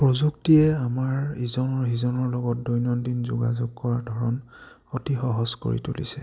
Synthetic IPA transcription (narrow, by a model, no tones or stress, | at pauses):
pɹɔzuktijɛamaɹizɔnɔɹizɔnɔɹlɔɡɔt̚dujnɔndinzṵɡa̰zuɡ̚kɔɹadʱɔɹɔn | otixɔɦɔsko̰ɹḭtulḭsɛ